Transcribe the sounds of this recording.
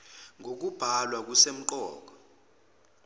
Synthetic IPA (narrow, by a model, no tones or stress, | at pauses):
ŋʱok̬ub̥ʱalwak̬usem̩ǃɔ̰ːk̬ɔ̥